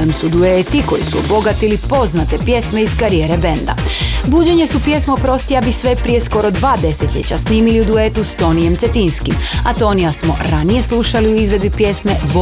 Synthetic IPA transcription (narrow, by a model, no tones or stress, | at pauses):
emsud̪uet̪iko̞̰jisuobo̞ɡat̪ilipo̞znat̪e̞pje̞sme̞izkaɾijeːɾe̞be̞nd̪a̰buːd͡ʑe̞ɲe̞supje̞smoopɾo̞st̪iabisʋe̞pɾije̞sko̞ɾo̞d̪ʋaːd̪e̞se̞t̪lʎʲe̞̰t͡ɕa̰sniːmiliud̪uet̪ust̪o̞nije̞mt̪set̪inskimat̪o̞nijasmo̞̰ɾanije̞slˠuʃaliuizʋe̞d̪bipje̞sme̞bo